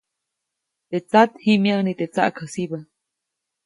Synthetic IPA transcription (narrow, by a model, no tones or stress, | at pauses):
t̪et͡sat̪himjanit̪et͡sa̰ʔkʰhəsibə